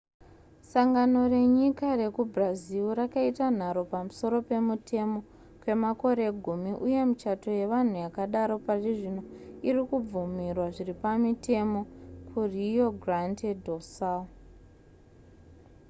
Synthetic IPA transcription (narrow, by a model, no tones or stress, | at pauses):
saŋɡano̞re̞ɲikare̞kubraziuɾakaitan̤aɾo̞pamuso̞ɾo̞pe̞mutʰe̞mo̞ | kwe̞mako̞ɾe̞ɡʱumiʔuje̞mut͡ʃato̞je̞ʋan̤ujakaɗaɾo̞pariʐino̞irikub͡vumirwaʐiripamitʰe̞mo̞kʰurijo̞ɡʱrantedʱosa